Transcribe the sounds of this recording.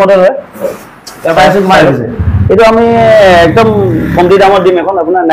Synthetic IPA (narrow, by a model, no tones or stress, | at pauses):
ɔdɔɦɔj | tɛpas̬ukmaɔsɛ̰ketuamiɛk̚dɔmkʰɔmdidaŋɔɹdimɛkʰɔnapunana